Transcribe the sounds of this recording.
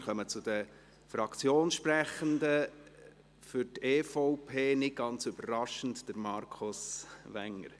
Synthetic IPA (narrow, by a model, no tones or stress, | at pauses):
χœmət͡sʊd̥ə | fɾɑkt͡sjoːnʃpɾɛχəndə | fʏɾteːfɔʊpʰeːnɪt̚ɡ̥ɑnt͡syb̥əɾɾɑʃən̩td̥əɾmɑɾkʰosʋɛŋːə̰ɾ